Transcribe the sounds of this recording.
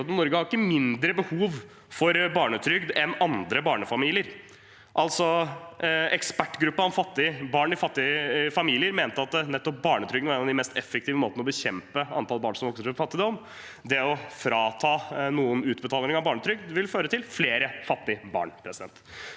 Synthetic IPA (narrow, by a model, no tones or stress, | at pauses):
t̪nɔɾɡəhɑɾɪkːəmɪnd̪ɾəbəhuːʋ | fɔɾbɑːɳət̪ʰɾʏɡd̪ɛnɑnd̪ɾəbɑːɳəfɑmiːlɪəɾ | ʔɑlt̪sɔ | ɛkspæʈːɡɾʉpːəɔmfɑt̪ːɪəbɑːɳɪfɑt̪ːɪəfɑmiːlɪəɾmeːnt̪əɑt̪̚nɛt̪ːɔp̚bɑːɳət̪ʰɾʏɡnʋæɾɛnɑd̪ɪmɛst̪ɛfɛk̚t̪iːʋəmoːt̪nəɔbəçɛmpəɑ̰nt̪ʰɑlˠbɑːɳsɔmʋɔksəɾfɔɾfɑt̪ːɪd̪ɔm | d̪ɛɔfɾɑːt̪ʰɑːnuːənʉːt̪bət̪ɑːlnɪŋɑʋbɑːɳət̪ʰɾʏɡ̚d̪ʋɪlføːɾət̪ʰɪlfleːɾəfɑt̪ːɪəbɑ̰ːɳpʰɾɛsɪd̪ɛ̰nt̪